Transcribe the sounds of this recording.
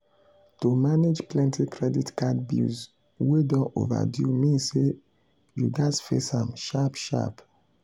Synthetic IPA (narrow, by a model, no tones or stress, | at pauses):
tomaned͡ʒplɛ̃ntikɹɛditkad̚bḭlz | wedɔ̃nʔo̰va̰djṵmĩnse | juɡasfḛsãmʃapʃa̰p